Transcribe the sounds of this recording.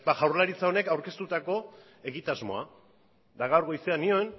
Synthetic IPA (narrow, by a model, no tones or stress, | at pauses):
baɣawɾlaɾit͡sao̞ne̞kawɾke̞st̪ut̪ako̞ | e̞ɣit̪azmo̞̰a̰ | d̪aɣawɾɣo̞jse̞anio̞en